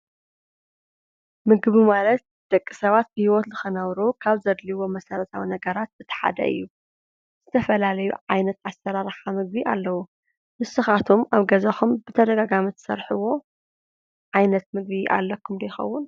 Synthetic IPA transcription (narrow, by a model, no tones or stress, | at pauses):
mɨɡβimalɐt̪̚ | d̪̥ɐkʼːisɐβat̪̚bɨhiwot̪zɨxɨnɐβɾukʰaβzɐd̪liwo̞mɐsɐɾɐt̪ʰawinɐɡɐɾat̪̚bɨt̪ʰɐ̥ħa̰d̪ɐ̰ʔɨ̰jːu | z̥ɨt̪ʰɐfɐlalɐjṵʕajnɐt̪asːɐɾaɾħamɨɡbiʔa̰lːɐwu | mɨsɨxat̪ʰumaβɡɐzɐxumbɨt̪ʰɐd̪ɐɡaɡamit̪ʰɨ̥sɐɾħɨwo̞ | ʕajnɐt̪mɨɡβiʔa̰lːɐkʰːumd̪ɐjɪxɐ̰wːʊn